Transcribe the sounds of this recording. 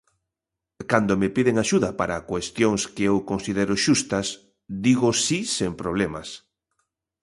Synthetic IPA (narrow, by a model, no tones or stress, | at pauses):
kand̪omepiðeŋaʃuðɐpaɾakwest̪joŋskeewkonsiðeɾoʃust̪ɐs | d̪iɣosisempɾoβ̞lema̰s